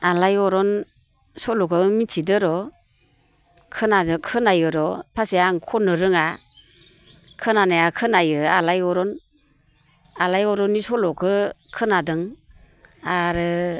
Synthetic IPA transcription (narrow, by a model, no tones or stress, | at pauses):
alajɔɾɔn | sɔlɔkɯmitʰidɯɾɔ | kʰɯnadɯkʰɯnajɯɾɔpʰasiaŋkʰɔnɯɾɯŋa | kʰɯnanajakʰɯnajɯalajɔɾɔn | alajɔɾɔnːisɔlɔkʰɯkʰɯnadɯŋ | aɾɯ